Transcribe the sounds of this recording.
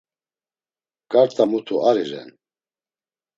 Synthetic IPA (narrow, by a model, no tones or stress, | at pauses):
ɡ̥ʼaɾt̪ʼamut̪ʰuaɾiɾɛ̰n